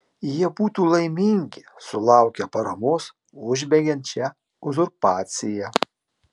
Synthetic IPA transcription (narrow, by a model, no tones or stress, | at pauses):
jiɛbuːt̪uːlˠɐɪmʲɪŋʲɡʲɪsʊlˠɑˑʊkʲɛpɐɾɐmoːs | ʊʒʲbʲɛɡʲɛnʲt̪̚t͡ʃʲɛ | ʊzʊɾpɑːt̪sʲɪjɛ